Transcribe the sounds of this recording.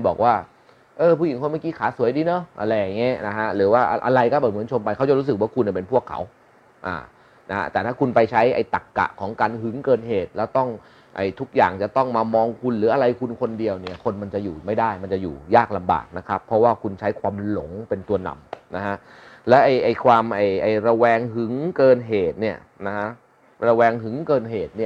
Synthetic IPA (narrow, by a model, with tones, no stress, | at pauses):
u˧nbɔ̰ː˨˩k̚waː˥˩ | ʔɤː˧˩pʰuː˥˩˨i˨˩˦nkʰo˧˥˦ma˥˩kiː˦˥kʰaː˨˩˦su˨˩˦jdiː˧nɔ˦˥ʔa̰˧ɾa˧ja˨˩ŋːi˦˥na˦˥kʰa˦˥ɾɯː˩˦waː˥˩ʔa˧ʔa̰˧ɾa˧jkɔː˥˩bɛː˨˩mɯ˩˦nt͡ɕʰo˧mpa˧jkʰa˦˥wt͡ɕa˨˩ɾu˦˥sɯ˨˩k̚waː˥˩kʰu˧nːa˨˩pe˧npʰu˥˩əkʰːa̰˩˦w | ʔa̰ː˨˩ | na˦˥ha̰˦˥t̪ɛː˨˩t̪ʰaː˥˩kʰu˧npa˧jt͡ɕʰa˦˥jʔa̰˧jt̪a˨˩kːa̰˨˩ʔkʰɔː˩˦ŋkaː˧nɦɯ˨˩˦ŋkɤː˨˩n̚ɦeː˨˩t̪̚lɛː˦˥wt̪ɔ˥˩ŋ | ʔa̰˧˨˩jt̪ʰu˦˥k̚jaː˨˩ŋt͡ɕa˨˩t̪ɔ˥˩ŋmaː˧mɔː˧ŋkʰu˧nlɯː˩˦ʔa˧ɾa˧jkʰu˧nkʰo˧ndi˧əwni˥˩ɐkʰo˧nma˧nt͡ɕa˨˩ʔjuː˨˩ma˥˩jdaː˥˩jma˧nt͡ɕa˨˩jṵː˨˩jaː˥˩k̚la˧mba̰ː˨˩k̚na˦˥kʰɾa˦˥pʰɾɔ˦˥waː˥˩kʰu˧nt͡ɕʰa˦˥jkʰwaː˧mlo˩˦ŋpe˧nt̪u˧ɐna̰˨mna˦˥kʰa˦˥ʔ | lɛ˦˥ʔa˧˩jʔa˨˩jkʰwaː˧mʔa˨˩jʔa˨˩jɾa˧wɛː˧ŋɦɯ˩˦ŋkɤː˧nɦeː˨˩t̪̚ni˥˩ɐ | na˦˥kʰa˦˥ʔ | ɾa˧wɛː˧ŋɦɯ˨˩˦ŋkɤː˧nɦeː˨˩t̪̚ni˥˩ə